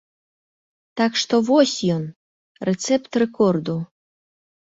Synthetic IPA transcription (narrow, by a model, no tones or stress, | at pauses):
t̪ɑkʃt̪ovosʲjon | ret͡sept̪rekord̪u